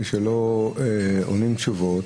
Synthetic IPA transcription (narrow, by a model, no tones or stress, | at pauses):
ʃeloeo̰nimt͡ʃuvot